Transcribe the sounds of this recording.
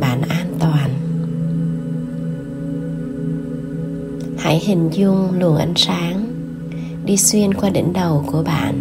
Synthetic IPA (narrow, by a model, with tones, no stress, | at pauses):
a̰ː˧˩nʔaː˧nt̪waː˨˩n | ha̰ː˧˥jhï˨˩ŋ̟zʊ˧ŋ͡mlṵ˨˩ənʔa̰˧˦jŋ̟saː˨˦ŋ | ɗi˧swi˧ənkwaː˧ɗḭ˧˥˦ŋ̟ɗə˨˩wku˧˩əɓa̰ː˧˨n